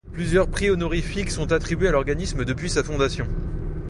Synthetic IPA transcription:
plyzjœʁpχiɔnɔʁifiksɔ̃t̪at̪χibɥealɔʁɡanisməd̪əpɥisafɔ̃d̪asjɔ̃

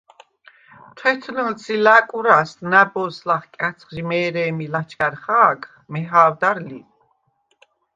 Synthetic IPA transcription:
t̪ʰwɛt̪ʰlənt͡sʰilakʼuɾasnabɔslaχkʼat͡sʰχʒimɛːɾɛːmilat͡ʃʰkaɾχaːkχmɛɦaːvd̪aɾlḭ

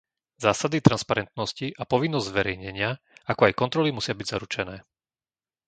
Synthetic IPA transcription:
zaːsad̪it̪ɾanspaɾɛnt̪nɔsciʔapɔʋinːɔzɟʲzʋɛɾɛjɲɛɲɪa | akɔajkɔnt̪ɾɔlimusɪabiɟza̰ɾut͡ʃɛnɛː

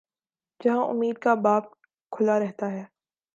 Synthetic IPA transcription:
d͡ʒɐɦãʔʊ̰mːiːd̪̚kabaːp̚ | kʰʊlaɾɛɦt̪aɦɛː

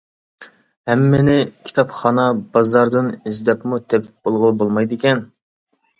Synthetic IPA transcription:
hɛmːenɪkʲʰi̥t̪ʰɑpχɑnɑbɑzɑɾd̪ɨnizd̪ɛpmut̪ʰɛpb̥olˠʁʊbolˠmɑjd̪ɪkʲɛn

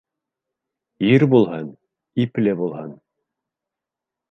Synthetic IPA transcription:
iɾbulˠhɤn | iplɘbulˠhɤn

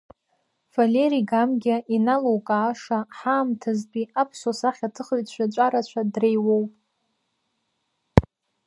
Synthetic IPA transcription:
faleɾiɡamɡʲaʔinalowkʼaːʂaħaːmtʰazbiapʰsosaχʲatʰɨχəɥt͡ɕʷʰᶣat͡ʃʷʼaɾat͡ɕʷʰadrejwowpʼ

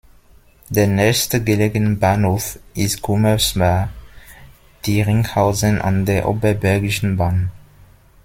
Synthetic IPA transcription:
d̥eːɐnɛçstəɡəleːɡənəbaːnhoːfʔɪstɡ̥uməsma | d̥iːʁɪŋhaʊzənʔa̰ndeːɐʔo̰ːbɐbɛɐɡɪʃn̩baːn

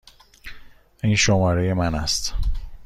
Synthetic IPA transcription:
ʔiːnʃomɒːɾeje̞mænæst̪

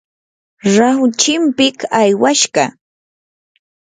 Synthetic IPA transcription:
ɾawt͡ʃɪmpɪkajwaʃɢɑ

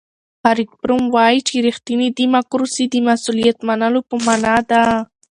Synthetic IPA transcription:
haɾik̪̚pɾʊmwajit͡ʃiɾixt̪inid̪imakʊɾusid̪imasulijat̪manalopəmanad̪a

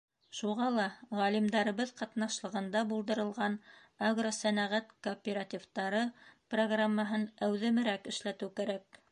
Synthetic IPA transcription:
ʃuʁɑlˠɑʁælimd̪ɑɾɤ̆βɤðqɑt̪nɑʃlˠɤ̆ʁɤ̆nd̪ɑbulˠd̪ɤ̆ɾɤ̆lˠʁɑn | aɡrosænæʁæt̪koːpʲeɾat̪ʲivt̪ɑɾɤproɡramːɑɦɤnæwðɘ̆mɘ̆ɾækɘ̆ʃlæt̪ɘwkæɾæk̚

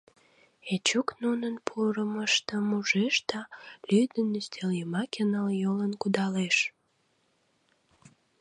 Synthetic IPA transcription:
et͡ɕuknunənpʰuɾəməʃt̪əmuʒeʃd̪ɑlyd̪ənyst̪eljəmɑkənəljolənkud̪ɑleʃ

